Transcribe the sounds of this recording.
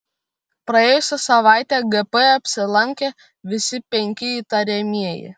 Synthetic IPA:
pɾɐeːjʊsʲɛsɐʋɑˑɪt̪ʲɛɡɛpɛɐpʲsʲɪlˠɐŋʲkʲe | ʋʲɪsʲɪpʲɛŋʲkʲɪiːt̪ɐɾʲɛmʲiɛjɪ̰

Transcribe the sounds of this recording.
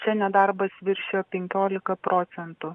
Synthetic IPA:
t͡ʃʲɛnʲɛd̪ɐɾbɐsʋʲɪɾʲʃʲejoːpʲɛŋʲkʲoːlʲɪkɐpɾʔoːt̪sʲɛnt̪ʊ

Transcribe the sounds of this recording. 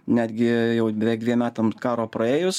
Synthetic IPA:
nʲæːd̪ʲɡʲɪjɛʊbʲɛʋʲɛːk̚d̪ʲʋʲiɛmʲæːt̪ɐmkɑːɾoːpɾɐeːjʊs

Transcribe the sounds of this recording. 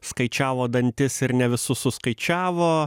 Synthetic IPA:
skɐɪt͡ʃʲæːʋoːd̪ɐnʲt̪ʲɪsɪɾnʲɛʋʲɪsʊsʊskɐɪt͡ʃʲæːʋoː

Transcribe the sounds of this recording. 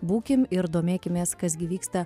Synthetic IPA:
buːkʲɪmɪɾd̪oːmʲeːkʲɪmʲeːskɐs̬ɡʲɪʋʲiːkst̪ɐ

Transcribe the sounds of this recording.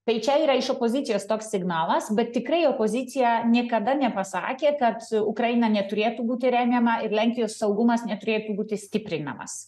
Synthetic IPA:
t̪ɐɪt͡ʃʲɛiːɾɐɪʃopoːzʲɪt̪sʲɪjoːst̪oːksʲsʲɪɡnɑːlˠɐsbʲɛt̪ʲtʲɪkɾɐɪoːpoːzʲɪt̪sʲɪjɛnʲiɛkɐd̪ɐnʲɛpɐsɑ̰ːkʲeːkɐt̪ʊkɾɐɪnɐnʲɛt̪ʊɾʲeːt̪uːbuːt̪ʲɪɾʲæːmʲjɛmɐɪɾlʲæŋʲkʲɪjoːssɐʊɡʊmɐsnʲɛt̪ʊɾʲeːt̪uːbuːt̪ʲɪsʲt̪ʲɪpʲɾʲɪnɐ̰mɐ̰s

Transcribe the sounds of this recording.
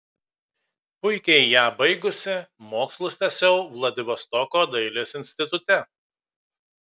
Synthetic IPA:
pʊɪkʲɛɪjæːbɐɪɡʊsʲɪmoːkslˠʊsʲt̪ʲɛsʲɛʊʋlˠɐd̪ʲɪʋʲɔst̪ɔkoːd̪ɐɪlʲeːsɪnʲsʲt̪ʲɪt̪ʊt̪ʲɛ

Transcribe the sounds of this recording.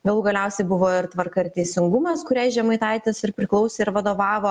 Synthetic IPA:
ɡɐlˠuːɡɐlʲɛʊsʲɛɪbʊʋoːɪɾt̪ʋɐrkɐɪɾt̪ʲɛɪsʲɪŋɡʊmɐskʊɾʲɛɪʒʲɛmɐɪt̪ɐɪt̪ʲɪsɪɾpʲɾʲɪklˠɐʊsʲeːɪɾʋɐd̪oːʋɑːʋoː

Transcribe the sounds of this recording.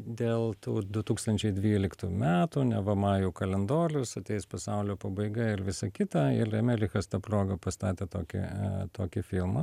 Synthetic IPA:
d̪ʲeːlˠt̪uːd̪ʊt̪uːkst̪ɐnʲt͡ʃʲɛɪd̪ʲʋʲiːlʲɪkt̪umʲæːt̪uːnʲɛʋɐmɑːjuːkɐlʲɛnd̪oːɾʲʊsɐt̪ʲɛɪspɐsɑʊlʲoːpɐbɐɪɡɐɪɾʋʲɪsɐkʲɪt̪ɑɪrɛmʲɛlʲɪxɐst̪ɑproːɡɐpɐst̪ɑːt̪ʲeːt̪o̰ːkʲɪ̰t̪oːkʲɪfʲɪlˠmɐ

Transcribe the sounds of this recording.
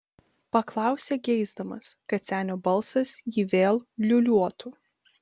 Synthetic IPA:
pɐklˠɑˑʊsʲeːɡʲɛɪzd̪ɐmɐskɐt̪sʲæːnʲobɐlˠˑsɐsjiːʋʲeːlˠlʲʊlʲuɔt̪u

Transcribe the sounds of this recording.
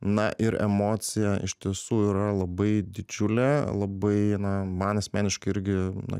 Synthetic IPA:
nɐʔɪɾɛ̰moːt̪sʲɪjɛɪ̰ʃʲt̪ʲiɛsuːiɾɐlˠɐbɐɪd̪ʲɪd͡ʒʲʊlʲelˠɐbɐɪnɐmɐnɐsʲmʲæːnʲɪʃkɐɪɪɾʲɡʲɪnɐ̰

